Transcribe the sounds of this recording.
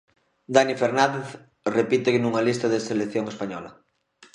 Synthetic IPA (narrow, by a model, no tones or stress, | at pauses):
d̪anifeɾnand̪eθ | repit̪eknuŋalist̪aðeselekθjoŋespaɲɔlɐ̰